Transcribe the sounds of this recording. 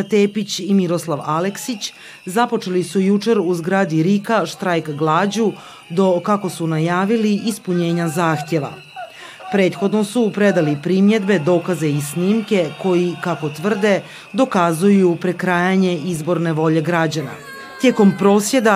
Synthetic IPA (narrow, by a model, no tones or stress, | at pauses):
t̪eːpit͡ɕimiɾo̞slˠaʋaleksit͡ɕ | zapo̞t͡ʃelisujut͡ʃe̞ɾuzɡɾaːd̪iɾikaʃt̪ɾajkɡlˠaːd͡ʑu | d̪o̞kako̞sunajaːʋiliʔispuɲe̞ːɲazaːxt̪je̞ʋa̰ | pɾe̞ːt̪xo̞d̪no̞supɾe̞d̪alipɾimje̞d̪be̞d̪o̞ːkaze̞isniːmke̞ko̞jikako̞t̪ʋr̩d̪e̞ | d̪o̞kazujupɾe̞kɾaːjaɲe̞izbo̞ɾne̞ʋo̞ʎe̞ɡɾad͡ʑana̰ | t̪je̞ko̞mpɾo̞ːsje̞d̪a